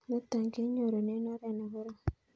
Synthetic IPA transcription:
no˦t̪a˨ɲɡe˦ɲo˨ɾo˨ne˦no˦ɾe˨na˨βo˦ɾa˦˨

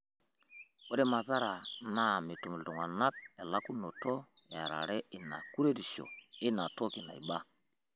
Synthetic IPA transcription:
o˦ɾe˦ma˨za˦ɾa˨na˦˨mi˨tu˨mi˨ldu˨ŋa˨na˦k̚e˨la˦ku˦no˨to˦ja̰˨ɾa̰˨ɾɛ˦ʔi˨na̰˨ku˦ɾe˦di˨ʃo̰˨i˦na˨to˦ki˨na̰˨ḭ˨ba˦

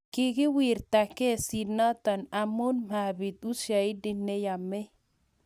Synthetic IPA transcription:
ki˨ɡi˦wi˨ɾt̪a˨ke˦si˨na˦t̪a˨na˨mu˦nma˨bi˨t̪u˦sa˨i˦di˦nːɛ˦ja˨mːɛ˦

